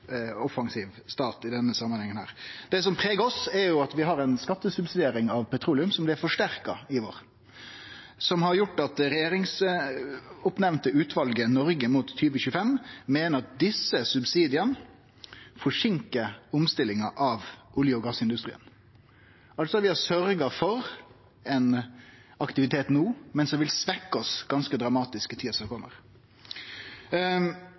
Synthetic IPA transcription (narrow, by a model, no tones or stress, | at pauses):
ɔfɑŋsiːʋst̪ɑːt̪ɪd̪ɛnːəsɑmːəɑnhɛŋːənhæ̰ːɾd̪̥ɛːsɔmpʰɾeːɡəɔsæɾjʊɑt̪ʋɪɦɑɾɛnskɑt̪ːəsʉbsɪd̪eːɾɪŋɑʋpʰɛt̪ʰɾuːlɪʉmsɔmb̪ɪfɔʂʈæɾkɑɪʋo̰ːɾ | sɔmhɑɾjʊʈːɑt̪ɾɛjeːɾɪŋs | ʊpnɛʋnt̪əʉːt̪ʋɑlɡənɔɾɡəmuːt̪ʰːyːʋəçʉːəfɛmmeːnəɾɑt̪̚d̪ɪsːəsʉbsiːd̪ɪən | fɔʂɪŋkəɾʊmst̪ɪlɪŋɑʔɑʋʊljəʊɡɑsɪnd̪ʉst̪ɾiːən | ʔɑlt̪sɔʋɪæsœɾɡɑfɔɾ | ɛn | ɑkt̪ɪʋɪt̪ʰeːt̪nuːmɛnsɔʋɪlsʋɛkːɔsɡ̥ɑnskəd̪ɾɑmɑːt̪ɪskət̪ʰiːɑsɔkʰɔmːəɾ